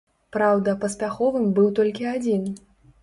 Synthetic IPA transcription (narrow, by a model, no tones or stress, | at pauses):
pɾawd̪ɐpɐspʲaxɔvɨmbɨwt̪ɔlʲkʲiad͡zʲin